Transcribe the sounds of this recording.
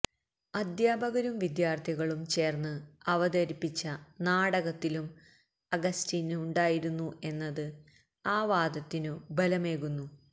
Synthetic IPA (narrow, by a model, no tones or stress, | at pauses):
ɐd̪jaːbʱɐɣɐɾumʋid̪jaːrt̪ʰiɣɐɭumt͡ɕe̞ːrnːɨɐʋɐd̪ɐɾipːit͡ɕːɐnaːɽɐɣɐt̪ːilum | ɐɡɐstiːnɨːɳɖaːjiɾunːue̞nːɐðɨ | aːʋaːd̪ɐt̪ːinɨbɐlɐme̞ːɣunːu